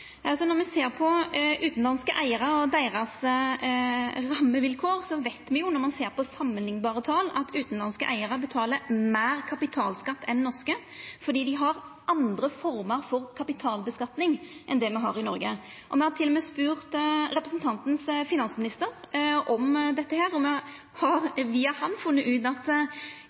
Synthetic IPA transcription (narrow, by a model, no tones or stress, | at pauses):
ɑsɔnɔɾmɛseːʁpʰɔʔʉːt̪n̩lɑnskəʔæɪəɾəɔd̪æɪʁɑs | ɾɑmːəʋɪlkʰoːʁsɔʋæɪt̪mɛjʊnɔɾmɑnseːɾpʰɔsɑmːənlɪŋbɑːʁət̪ʰɑːlɑt̪ʉːt̪n̩lɑnskə̰ʔæɪəɾəbət̪ʰɑːləmæːɾkʰɑpɪt̪ʰɑːlskɑt̪ːɛnːɔɾskə | fɔɖ̪iːd̪ɪɦɑɾʔɑnd̪ɾəfɔɾməɾfɔɾkʰɑpɪt̪ʰɑːlbəskɑt̪nɪŋʔɛnd̪ɛmɛɦɑ̰ːɾɪnɔɾɡə | ʔɔmɛhɑɾt̪ʰɪlːɔmeːspʉːʁt̪ɾɛpɾəsnt̪ʰɑnt̪n̩sfɪnɑnsəmɪnɪst̪əɾɔmd̪ɛt̪ːəhæːʁɔmɛ | hɑɾʋiːɑhɑnfʊnːəʔʉːt̪ɑt̪